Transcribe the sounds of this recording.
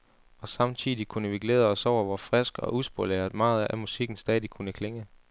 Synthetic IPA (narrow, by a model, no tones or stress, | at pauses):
ɒ̽sɑ̈mt͡sʰiðˠikʰunəʋiɡ̥leðˠɐɒ̽sɒʊ̰ɐʋɒfʁɛsɡ̥ɒ̽ʔusb̥oleɐð̩ˠmɑ̈ːð̞̩ˠæmusiɡ̥n̩sd̥ɛːðˠikʰunəkʰle̝ŋə